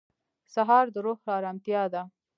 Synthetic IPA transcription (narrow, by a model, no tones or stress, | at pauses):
saɦɑɾd̪əɾoxlɑɾamt̪jɑd̪a